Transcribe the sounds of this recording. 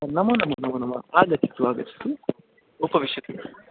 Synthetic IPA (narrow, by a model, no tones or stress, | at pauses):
ɐnɐmɐnɐmːɐnɐmːɐnɐmːɐ̰aːɡɐt̪ik̪uʋaːɡɐ̰t̪i̥t̪u | upɐʋiʃjɐt̪u